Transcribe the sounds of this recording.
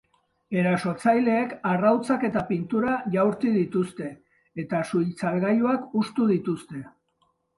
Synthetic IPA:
e̞ɾaso̞t͡sajle̞ːkarawt͡sake̞t̪apint̪uɾaʝawɾt̪iðit̪ust̪e̞ː | t̪asujlt͡salɣajuakust̪uðit̪ust̪e̞

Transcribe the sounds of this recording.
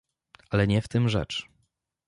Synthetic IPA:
alɛɲɛft̪ɘmʐɛ̰t͡ʂ

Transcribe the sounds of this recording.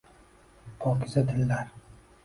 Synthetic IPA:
pʰɒkʰʲɪzad̪ʰɪlːaɾ

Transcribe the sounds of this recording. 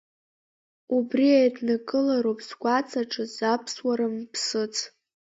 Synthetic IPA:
ubriajdnakʼɨlaɾopʰʼzɡʷat͡sʼʰaʈ͡ʂʼɨzapʰswaɾɨmpʰsɨt͡sʰʼ

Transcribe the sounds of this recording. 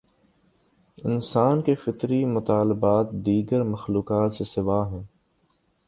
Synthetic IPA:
ɪnsaːnkefɪt̪ɾimʊt̪aːlɪbaːt̪d̪iːɡəɾmɐxluːkaːt̪sesɪʋaːɦɛ̃ː

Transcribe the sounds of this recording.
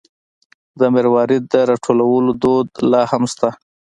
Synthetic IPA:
d̪əmeɾwɑɾɪd̪̚d̪əɾɑʈʰolawəlod̪od̪lɑhamst̪a

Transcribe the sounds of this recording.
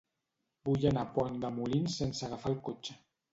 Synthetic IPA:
bujanapɔɲd̪əmulinsensaɣafalˠkot͡ʃə

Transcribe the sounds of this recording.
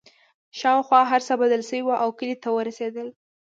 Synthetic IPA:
ʃɑwxwɑɦaɾsabad̪əlsəwiwaʔawkəlit̪awəɾased̪əl

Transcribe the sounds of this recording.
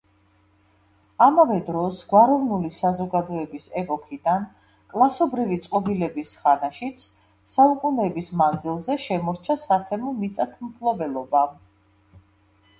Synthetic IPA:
amavɛd̪ɾɔsɡwaɾɔvnulisazɔɡad̪ɔɛbisɛpʼɔkʰid̪an | kʼlˠasɔbɾivit̪sʼqʼɔbilɛbisχanaʃit̪sʰ | saukʼunɛbismand̪zilˠzɛʃɛmɔɾt͡ʃʰasat̪ʰɛmɔmit̪sʼat̪ʰmpʰlˠɔbɛlˠɔba

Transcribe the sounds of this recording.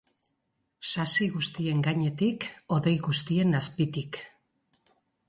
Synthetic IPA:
sasiɣust̪ie̞ŋɡaɲe̞t̪iko̞ðe̞jɣust̪ie̞naspit̪ik

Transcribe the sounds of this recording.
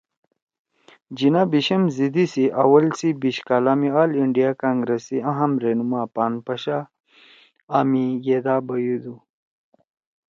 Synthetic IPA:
d͡ʑinabiɕɐmzid̪isiʔɐwɐlsibiɕkaːlaːmiaːliɳɖijakaːŋɡɾesiɐ̃ɦɐmɾenumaːpaːnpɐɕa | mijed̪aːbɐjud̪u

